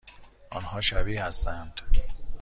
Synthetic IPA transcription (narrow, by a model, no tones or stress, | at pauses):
ʔɒːnhɒːʃæbiːhæst̪ænd̪̥